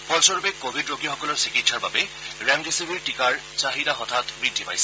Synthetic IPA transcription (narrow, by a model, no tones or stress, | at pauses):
pɔlsɔɹubɛkobʱidɹoɡijɔxɔkɔlɔɹsikitːʃaɹba̰bɛ | ɹɛmdesibʱiɹʈikaɹ | zaɦidaɦɔtʰatbɹidʱːipa̰jsɛ̥